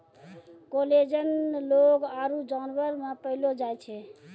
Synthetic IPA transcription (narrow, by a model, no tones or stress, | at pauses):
koled͡ʒənlokaɾud͡ʒanʋəɾmẽpəilod͡ʒajt͡ʃʰɛ